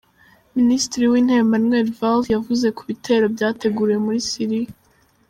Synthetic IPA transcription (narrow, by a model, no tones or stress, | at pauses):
ministɾiwiːn̥he̞ːmbanwe̞ɾvaljavuze̞kuβitʰe̞ːɾo̞bjaːte̞ɡuɾije̞muɾisiɾia